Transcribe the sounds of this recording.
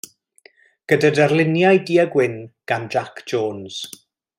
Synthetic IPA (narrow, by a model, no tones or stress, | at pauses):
ɡ̥ədadarlɪnjajdiːəɡwɪnɡ̥and͡ʒakʰd͡ʒoːnz̥